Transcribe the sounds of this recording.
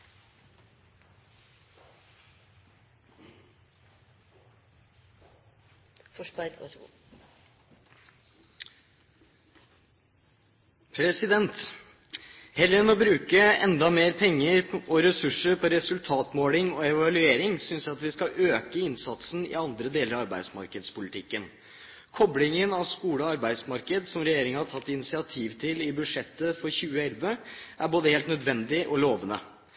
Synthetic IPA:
pʰɾɛsɪd̪ɛnt̪ | hɛlːəɛnɔbɾʉːkəɛ̰nd̪ɑmeːɾpʰɛŋːəɾɔɾɛsʉʂːəɾpʰɔɾɛsʉlt̪ʰɑːt̪moːlɪŋɔɛʋɑlʉeːɾɪŋsʏnsjæɑt̪ʋɪskɑʔøːkəɪnsɑt̪sn̩ɪ̰ɑnd̪ɾəd̪eːləɾɑɑɾbæɪd̪smɑ̰ɾkəd̪spʊlɪt̪ʰɪkːən | kʰɔblɪŋənɑʋskuːləɔɑɾbæɪd̪smɑɾkəd̪sɔmɾɛjeːɾɪŋəhɑtʰɑt̪ːɪnɪsɪɑt̪ʰiːʋt̪ʰɪlɪbʉʂɛt̪ːəfɔɾçʉːəɛlʋəʔæɾboːd̪əheːlt̪nœd̪ʋɛnd̪ɪʔɔloːʋənə̰

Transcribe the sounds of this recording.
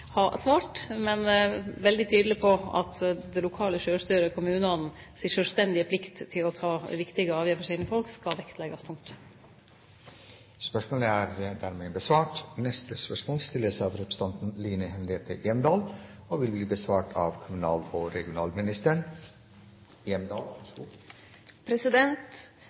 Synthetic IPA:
hɑsʋɑːʈmɛnʋɛld̪ɪt̪ʰyːd̪lɪpʰɔɑ̰t̪d̪ɛlʊkʰɑːləʃøːst̪yːɾəkʰʊmʉːnɑn̩siːʂœlst̪ɛnd̪ɪəpʰlɪkt̪t̪ʰːɪlɔt̪ʰɑːʋɪkt̪ɪɡəɑːʋjæːfəʂsiːnəfɔlkskɑlʋɛkt̪ʰlɛɡɑst̪ʰʊŋt̪ | spœʂmoːləæːɾd̪æːɾmeːbəsʋɑːʈnɛst̪əspœʂmoːlst̪ɪləsɑːʋɾʉpə̥st̪ɑnt̪n̩liːnəhɛnɾeːt̪ʰəʔeːmd̪ɑːl | oːʋɪlbliːbəsʋɑːʈʰɑːʋkʰʊmʉnɑːloːɾɛɡɪʊnɑːlmɪnɪst̪əɳ | eːmd̪ɑːlɑʂɡuː | pʰɾɛsɪd̪ɛnt̪

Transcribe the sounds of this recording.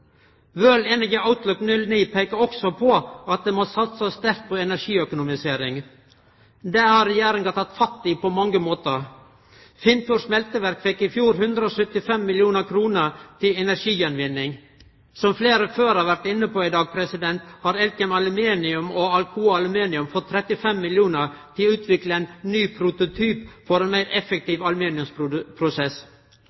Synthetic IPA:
ʋøːleːnəɡəɑʊt̪lʊknʉlniːpʰeɪkəɾɔksɔpʰɔɑt̪̚d̪eːmɔsɑt̪sɔsst̪æɾt̪̚pʰɔɛnæɾʂiːœkʊnʊmɪseːɾɪŋ | d̪ɛːhɑɾɛjæːɾəŋɡɑt̪ʰɑt̪fɑt̪ːiːpɔmɑŋːəmoːt̪əɾ | fɪnt̪uʂmɛlt̪əʋæɾkfɛkːɪfjuːɾhʉnd̪ɾəɔsœt̪ɪfɛmːɪljuːnəɾkʰɾuːnəɾt̪ʰɪɛnæɾʂiːjɛnʋɪnːɪŋ | sɔmfleːɾəføːɾɑʋæɾt̪ɪnːəpoːɪd̪ɑːɡ̚pʰɾɛsɪd̪ɛnt̪hɑɾɛlkɛmɑlʉmeːnɪʉmɔɑlkʰuːɑlʉmeːnɪʉmfɔt̪ʰːɾɛt̪ɪfɛmːɪljuːnəɾt̪ʰɪlʉːt̪ʰʋɪkləɛnːyːpʰɾʊt̪ʊt̪ʰyːpfɔɾɛːnmæɪɾɛfək̚t̪iːʋɑlʉmiːnɪʉmspʰɾʊsɛs

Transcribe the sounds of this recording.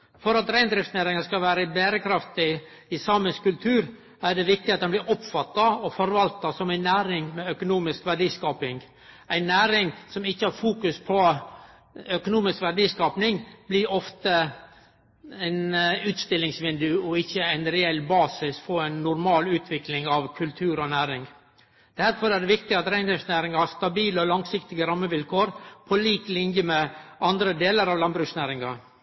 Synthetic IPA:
fɔɾɑt̪ɾæɪnd̪ɾɪftsnæɾɪŋɑskɑʋæːɾəbæːɾəkʰɾɑft̪ɪ | ɪsɑməskʉlt̪ʰʉːɾ | æɖɛʋɪk̚t̪ɪɑt̪̚d̪ɛnblɪɾʔɔpfɑt̪ːɑɔfɔɾʋɑlt̪ɑsɔmæɪnːæːɾɪŋmɛœkʊnuːmɪskʋæɖiːskɑːpɪŋ | æɪnːæːɾɪŋsɔmɪçːəæɾfuːkʉspʰɔ | œkʊnuːmɪskʋæɖiːskɑːpnɪŋblɪɾɔft̪ə | æɪnʉːt̪st̪ɪlːɪŋsʋɪnd̪ʉɔɪçːəæɪnɾɛɛlːbɑːsɪsfɔɾæɪnːʊɾmɑːlʉːt̪ʰʋɪklɪŋɑʋkʰʉlt̪ʰʉːɾɔnæːɾɪŋ | d̪̥æɾfɔɾæɖɛʋɪk̚t̪ɪɑt̪ɾæɪnd̪ɔŋsnæːɾɪŋɑhɑst̪ɑbiːləɔlɑŋsɪkt̪ɪɡəɾɑmːəʋɪlkʰoːɾpʰɔliːklɪnjəmɛʔɑnd̪ɾəd̪eːləɾɑʋlɑnbɾʉːksnæːɾɪŋɑ

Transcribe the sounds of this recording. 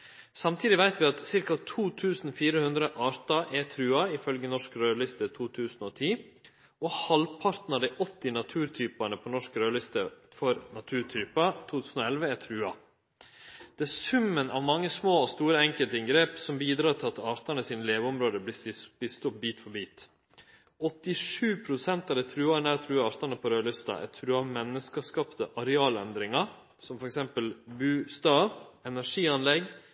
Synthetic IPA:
sɑmt̪ʰiːd̪ɪʋæɪt̪ʋɪɑt̪sɪɾkɑt̪ʰuːt̪ʰʉːsn̩fiːɾəhʉnd̪ɾəʔɑːɾt̪ɑʔɛt̪ʰɾʉːɑɪfœlɡənɔʂkɾøːlʏst̪ət̪ʰuːt̪ʰʉːsn̩ɔt̪ʰiː | ɔhɑlpʰɑɾt̪n̩ɑd̪æɪʔɔt̪ːɪnɑt̪ʰʉːɾt̪ʰyːpɑnəpʰɔnɔʂkɾøːlʏst̪əfɔɾnɑt̪ʰʉːɾt̪ʰɾyːpɑt̪ʰuːt̪ʰʉːsn̩ɔɛlʋəæt̪ʰɾʉːɑ | d̪̥ɛæsʉmːənʔɑ̰ʋmɑŋːəsmoːɔst̪uːɾəɛŋkəlt̪əɪŋɡɾeːpsɔmbiːd̪ɾɑːɾt̪ʰɪlɑt̪ɑːɾt̪ɑnəsiːnəleːʋəɔmɾoːd̪əb̪b̥iːst̪ɔp̚biːt̪fɔbiːt̪ | ɔt̪ːɪʂʉːpʰɾʊsɛnt̪ɑʋd̪ɛːt̪ʰɾʉːɑnæɾt̪ʰɾʉːɑːɾt̪ɑnəpʰɔɾøːlʏst̪ɑ̰ʔɛ̰t̪ʰɾʉːɑmɛnːəskɑskɑːpt̪əʔɑɾɛɑːlɛnd̪ɾɪŋɑ | sɔmfɔɾɛksɛmpəlbʉːst̪ɑːʋɛnæʂiːɑnlɛɡ

